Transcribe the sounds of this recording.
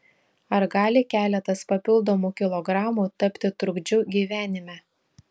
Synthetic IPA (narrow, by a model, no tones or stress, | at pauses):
ɐɾɡɑːlʲɪkʲæːlʲɛt̪ɐspɐpʲɪlˠd̪ɔmuːkʲɪlˠɔɡɾɑːmuːt̪ɐpʲt̪ʲɪt̪ɾʊɡd͡ʒʲʊɡʲiːʋʲæːnʲɪmʲæ